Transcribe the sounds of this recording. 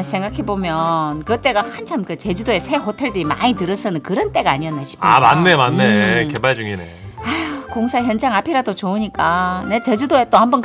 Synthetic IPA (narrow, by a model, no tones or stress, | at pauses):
sʰe̞ŋɡakʰebomjʌnkɯt͈e̞ɡahant͡ɕʰamkɯt͡ɕe̞d͡ʑudoe̞sʰe̞ɦotʰe̞ɭdɯima̰ɲitɯɾʌs͈ʌnɯnkɯɾʌnt͈e̞ɡaːɲiʌnːeɕʰi̥pʰa̰ma̰nːe̞manːeke̞baɭd͡ʑuŋine̞̰ | koŋsʰaçjʌnd͡ʑaŋapʰiɾadot͡ɕouɲik͈ane̞t͡ɕe̞d͡ʑudoet͈ohambʌn